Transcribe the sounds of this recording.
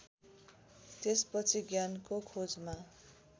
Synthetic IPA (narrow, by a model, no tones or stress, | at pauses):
t̪espʌt͡sʰiɡjankokʰod͡zma